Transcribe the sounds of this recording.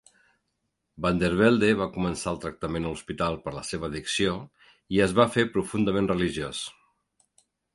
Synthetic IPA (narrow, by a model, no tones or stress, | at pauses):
band̪eɾβɛlˠd̪eβakumənsaəlˠt̪ɾək̚t̪əmenəluspit̪alˠpəɾləseβ̞əːðiksio | iəzβafepɾufund̪əmenrəliʒios